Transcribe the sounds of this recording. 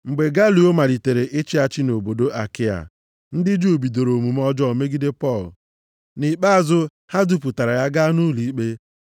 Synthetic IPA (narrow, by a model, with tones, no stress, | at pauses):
ŋ͡m̩˨ɡ͡be˨ɡa˦lu˨o˦ma˨li˨te˨ɾe˨ʔe˦t͡ʃi˦a˦t͡ʃɪ˦no˨bo˨do˦ʔa̰˨kɪ˦a̰˨ | n̩˦dɪ˦d͡ʒu˦o˨bi˨do˨ɾo˨mu˨m˦ɔ˦d͡ʒɔ˦˨me˦ɡi˦de˦pɔ˦˨l̰ | ni˨k͡pa˦a˨zʊ˦ | ha˦du˦pu˨ta˨ɾa˨ja˦ɡa˦nu˦li˨i˦k͡pe˦